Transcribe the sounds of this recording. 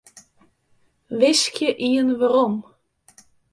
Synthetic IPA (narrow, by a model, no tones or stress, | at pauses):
vɪskjəʔiənvaɾɔm